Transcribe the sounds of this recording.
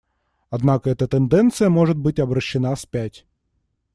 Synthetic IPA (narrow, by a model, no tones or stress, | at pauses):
ɐd̪nakəɛt̪ət̪ɛnd̪ɛnt̪sɨjəmoʐɨt̪̚bɨtʲɐbɾɐɕːɪnaspʲætʲ